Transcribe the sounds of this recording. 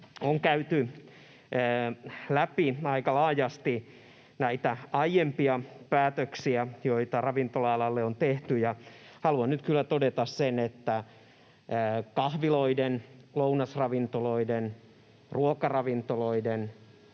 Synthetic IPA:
oŋkæyt̪yː | læpiɑikɑlɑːjɑst̪i | næit̪æɑijempiɑpæːt̪øksiæjoit̪ɑrɑʋint̪olɑɑlɑlːeont̪eht̪yjɑhɑluɑnnyt̪kylːæt̪odet̪ɑssenet̪ːæː | kɑhʋiloidenlounɑsrɑʋint̪oloiden | ruokɑrɑʋint̪oloiden

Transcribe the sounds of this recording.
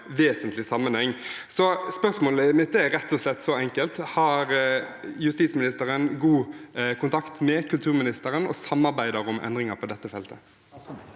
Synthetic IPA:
ʋeːsənt̪lɪsɑmːənhɛŋː | sɔspœʁsmoːləmɪt̪d̪æɾɛt̪ːɔslɛt̪ːsɔɛŋkəlt̪hɑɾjʉst̪iːt̪smɪnɪst̪əɾənɡuːkʰʊnt̪ʰɑkt̪mɛkʰʉlt̪ʰʉːʁmɪnɪst̪əɾənɔ̰sɑmːɑɾbæɪd̪əɾɔmʔɛ̰nd̪ʁɪŋɑɾpʰɔd̪ɛt̪ːəfɛlt̪ə

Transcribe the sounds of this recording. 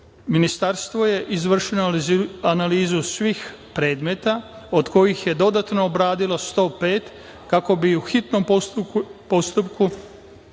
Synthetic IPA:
minist̪aɾst̪ʋo̞je̞ʔizʋr̩ʃenoanaliːzusʋix | pɾe̞ːd̪met̪ao̞d̪ko̞jixje̞d̪o̞d̪at̪noːbɾaːd̪ilo̞st̪o̞ːpe̞ːt̪ | kako̞biuxit̪no̞m | po̞st̪upku

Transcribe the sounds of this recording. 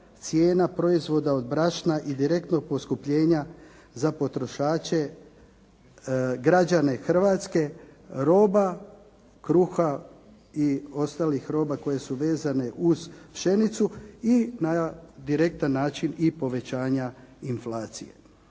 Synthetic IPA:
t̪sje̞ːnapɾo̞izʋo̞d̪ao̞d̪̚bɾaʃnaʔid̪iɾe̞k̚t̪no̞ɡ̚po̞skupʎe̞ːɲa | zapo̞t̪ɾo̞ʃaːt͡ʃe̞ | ɡɾad͡ʒane̞xr̩ʋaːt̪ske̞ɾo̞ːba | kɾuxa | io̞st̪aːlixɾo̞ːbako̞je̞suʋe̞ːzane̞ʔuzpʃe̞nit̪suinad̪iɾe̞k̚t̪anːaːt͡ʃinipo̞ʋe̞t͡ɕaːɲainflaːt̪sijḛ

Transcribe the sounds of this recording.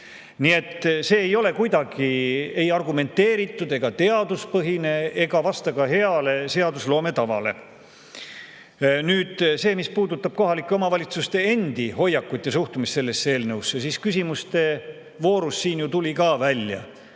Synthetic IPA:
nie̞t̪ːˑse̞ːejo̞le̞kujd̪ɑɡ̥ie̞jɑrɡume̞nt̪ːe̞ːɾit̪ːˑud̪̥e̞ɡ̥ɑt̪e̞ɑd̪uspɤɦine̞eɡ̥ɑvɑst̪ɑkɑɦe̞ɑle̞se̞ɑd̪uslo̞ːme̞t̪ɑvɑ̰le̞̰ | nyːd̪̥se̞ːmispuːd̪ut̪ˑːɑb̥̚ko̞ɦɑlikːˑeo̞mɑvɑlʲit̪sust̪e̞e̞nd̪̥iho̞jːɑkːut̪jɑsuht̪umist̪se̞lːe̞sːe̞ːlnɤwsːɑsiskysʲimust̪e̞ | vo̞ːɾusːiːnjut̪ulʲikɑːvælʲjɑ̰

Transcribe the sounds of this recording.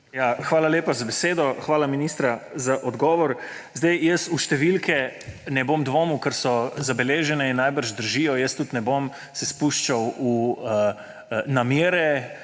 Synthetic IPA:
jaxʋaːlaleːpazabɛseːd̪ɔxʋaːlaminist̪ɾazaʔɔd̪ɡɔːʋɔɾzd̪ajjəst̪uʃt̪ɛʋilkʰɛnɛbomd̪ʋoːmukəɾsɔzabɛleːʒɛnɛinːajbəɾʒd̪əɾʒiːjɔjəst̪ut̪nɛbom | sɛspuːʃt͡ʃawu | namjeːɾɛ

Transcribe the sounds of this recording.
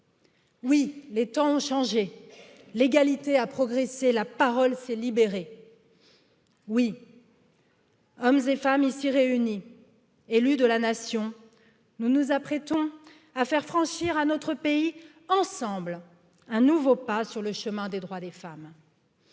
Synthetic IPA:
wilet̪ɑ̃ɔ̃ʃɑ̃ʒe | leɡalit̪eapχɔɡʁeselapaʁɔlsɛlibeʁe | wi | ɔmzefamisiʁeyni | elyd̪əlanasjɔ̃ | nunuzapχɛt̪ɔ̃ | afɛʁfχɑ̃ʃiʁanɔt̪χəpei | ɑ̃sɑ̃bl | ɛ̃nuvopasyʁləʃəmɛ̃d̪ed̪ʁwad̪efam

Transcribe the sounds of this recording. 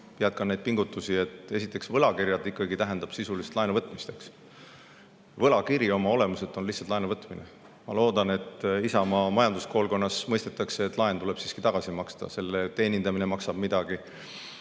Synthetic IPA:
piɑd̪̚kɑnejd̪̚piŋɡ̥ut̪ːˑusie̞t̪ˑe̞sit̪ːˑe̞ksvɤlɑkirjɑd̪ikːˑɑɡit̪æɦe̞nd̪̥ɑb̥sisulist̪lɑenuvɤt̪ˑmist̪e̞ks | vɤlɑkiɾio̞mɑo̞le̞muse̞t̪ːˑo̞nlihsɑlt̪lɑenuvɤt̪ːˑmine | mɑlo̞ːd̪̥ɑne̞t̪ˑisɑmɑmɑjɑnd̪usko̞ːlko̞nːɑsmɤjst̪et̪ːˑɑkseːt̪ːˑlɑent̪ule̞b̥siːskit̪ɑɡ̥ɑsimɑkst̪ɑ̰se̞lːet̪e̞ːnʲind̪ɑminemɑksɑb̥mid̪̥ɑɡ̥i

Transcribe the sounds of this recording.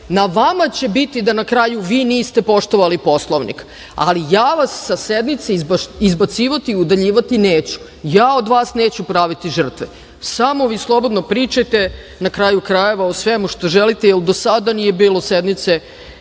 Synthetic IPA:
naʋamat͡ɕe̞bit̪id̪anakɾaːjuʋiːniːst̪e̞po̞ʃt̪oʋalipo̞slˠoʋnḭk | a̰lijaːʋasːased̪mit̪seizbaizbat̪siːʋat̪iːud̪aʎiːʋat̪ineːt͡ɕu̥ | jaːod̪ʋaːsneːt͡ɕupɾaːʋit̪iʒər̩t̪ʋe | samo̞ʋiːslˠo̞bo̞d̪no̞pɾiːt͡ʃajt̪e | nakɾaːjukɾaje̞ʋaosʋemuʃt̪o̞ʒelit̪ejeld̪osad̪anije̞biːlo̞sed̪mit̪se

